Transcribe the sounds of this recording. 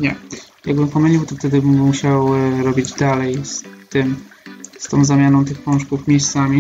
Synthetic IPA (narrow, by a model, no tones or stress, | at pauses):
ɲɛ | jaɡ̚bɘmpɔmɘlʲiwt̪ɔft̪ɛd̪ɘbːuɕawɾɔbʲid͡ʑd̪alɛjst̪ɘmst̪ɔ̃w̃zamʲanɔ̃w̃t̪ɘxpɔ̃ʂkufmʲjejst̪samʲi